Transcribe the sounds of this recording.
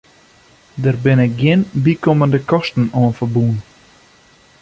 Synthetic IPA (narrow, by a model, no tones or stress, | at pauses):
dərbɪnɪk̚ɡjɪnbikoməndəkɔstn̩oənfərbuən